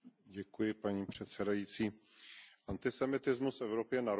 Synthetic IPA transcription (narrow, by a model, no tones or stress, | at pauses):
ɟɛkujɪpaɲiːpr̝̥ɛt̪sɛdajit͡siːʔant̪ɪsɛmɪt̪ɪzmusɛvɾopjɛnaɾ